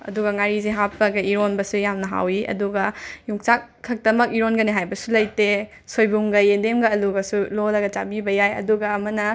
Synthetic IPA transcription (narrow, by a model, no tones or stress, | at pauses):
ɐ̰duɡɐŋaɾizeɦapːɐɡɐiɾonbɐsujamnɐɦa̰wiʔɐ̰duɡɐjuŋt͡ʃakkʰːɐk̚dɐmɐkiɾonɡɐneɦajbɐsulɐjte | sojbuŋɡɐjendemɡɐːluɡɐsulolɐɡɐt͡ʃabibɐjajɐ̰duɡɐːmɐnɐ